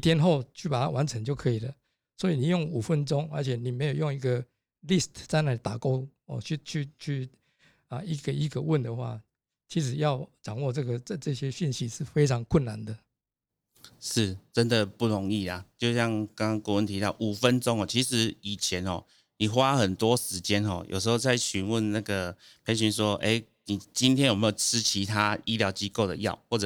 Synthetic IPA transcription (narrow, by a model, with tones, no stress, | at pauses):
i˧˦t̪ʰjɛ˥nxo˥˧ʊt͡ɕʰy˥˩pa˨˩t̪ʰa̰˦wa˧˦nt͡sʰə˧˦ŋt͡ɕjo˥˩ʊkʰɤ˧˦i˨˩lə˦ | swɔ˧˥i˨ni˨˩jo˥˩ŋu˨˩fə˦nt͡sɔ˦ŋə̰˞˧˥t͡ɕʰɛ˨˩ni˨˩me˧˥ɪjo˨˩ʊjo˥˧ŋi˧˥ɡə˨ | li˥˨st̪ʰt͡sa˥˧na˥˧˩i˨˩t̪a˨˩ko˥ʊɔ̰˥˨˩t͡ɕʰy˥˧t͡ɕʰy˥˧t͡ɕʰy˥˧ | ə˨i˧˥ɡə˨i˧˥ɡə˨wə˥˩nd̪ə˨xwa̰˥˩ | t͡ɕʰi˧˥ʂ̬ɻ̩˨˦jɑ˥˩ʊʈ͡ʂɑ˨˩ŋwɔ˥˧ʈ͡ʂɤ˥˩ɡə˩˥˧ʈ͡ʂɤ˥˧ɕjɛ˦ɕi˥˧nɕi˧˥ʂɻ̩˥˨fe˥ɪt͡sʰɑ˧˦ŋkʰwə˥˩nna˨˦nd̪ə˨ | ʂɻ̩˥˩t͡sə˦˥nd̪ə˨pu˥˩ɻo˧˦ŋi˥˩la˨t͡ɕjo˥˧ʊɕjɑ˥˧ŋka˥˦ŋ˥˦ŋku˥˧wə˧˦nt̪ʰi˨˥t̪ɑ˥˨˩ʊʔu˨˩fə˦˥nʈ͡ʂo˥˦ŋhɔ˨˩t͡ɕʰi˧˥ʂɻ̩˧˦i˨˩t͡ɕʰjɛ˨˦nxɔ̰˥˨˩ | ni˨˩xwa˦xə˨˩nt̪wɔ˦ʂɻ̩˧˦t͡ɕjɛ˦nxɔ̰˥˨jo̰˨˩ʊʂ̬ɻ̩˧˥o˥˧ʊt͡sa˥˩ɪɕy˧˦nwə˥˨nna˥˩ɡə˩ | pʰe˧˥ɪɕy˧nʂ̬wɔ˥ʔe˥ɪ | ni˨˩t͡ɕi˦nt̪ʰjnjme˧˥jo˨˩ʊʈ͡ʂ̩ʰ˦t͡ɕʰi˨˧˥t̪ʰa˦˥i˦ljɑ˧˥ʊt͡ɕi˦ko˥˩ʊd̪ə̰˨˩jɑ̰˥˩ʊxwɔ˥˩ʈ͡ʂə˨˩